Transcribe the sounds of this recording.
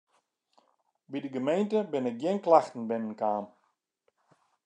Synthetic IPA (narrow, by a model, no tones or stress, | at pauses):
bidəɡəmejntəbɪnɪk̚ɡjɪnklaxtn̩bɪnənkaːm